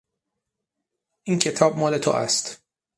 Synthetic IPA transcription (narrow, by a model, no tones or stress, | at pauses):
ʔiːncʰe̞t̪ʰɒːb̚mɒːle̞t̪ʰo̰ʔæ̰st̪